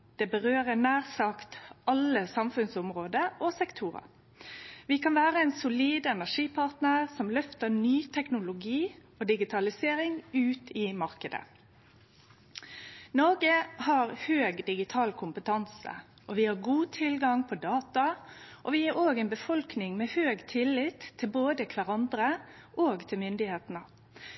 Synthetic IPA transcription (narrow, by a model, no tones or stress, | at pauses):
d̪̥ɛːbəɾøːɾənæːʁsɑkt̪ʔɑlːəsɑmfʉnsʊmɾoːd̪əʔɔsɛkt̪ʰuːɾɑ̰ | ʋɪkɑnʋæːʁəɛnsʊliːd̪ɛnæʂiːpʰɑʁt̪nəʁsɔmlœft̪ənyːt̪ʰɛknʊlʊɡiː | ɔːd̪ɪɡɪt̪ʰɑlɪseːɾɪŋʉːt̪ʰiːmɑɾkəd̪ə̰ | nɔɾɡəhɑɾhøːɡd̪ɪɡɪt̪ʰɑːlkʰʊmpət̪ʰɑnsə̰ | ʔɔʋɪhɑɾɡuːt̪ʰɪlɡɑŋpʰɔd̪ɑːt̪ɑʔɔʋɪæɾoːɡɛnbəfɔlknɪŋmeːhøːɡt̪ʰɪlːɪt̪ʰːɪlboːd̪əkʰʋæɾɑnd̪ɾəʔoːɡt̪ʰɪlmʏnd̪ɪheːt̪nə